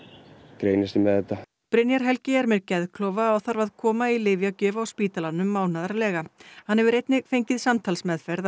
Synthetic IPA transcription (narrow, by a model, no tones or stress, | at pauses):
kɾeːjnɪst̪ɪmɛðɛt̪ːa | pɾɪnjaɾ̥ɦɛlcɪɛɾmɛɾcɛðkʰlɔːwvaːwθaɾvaðkʰɔːmailɪːvjawcɛːvaawspiːt̪alanʏmːaːwnaðaɾlɛːɣahanhɛvʏɾejt̪nɪfejɲcɪðsamt̪ʰalsmɛðfɛɾð